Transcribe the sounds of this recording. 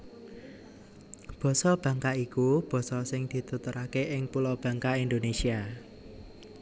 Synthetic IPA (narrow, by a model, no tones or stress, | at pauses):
b̥ɔ̤sɔb̥ä̤ŋkaikub̥ɔ̤sɔsɪŋd̪̥i̤t̪ut̪uɾakeʔɪŋpulɔb̥ä̤ŋkaind̪onesia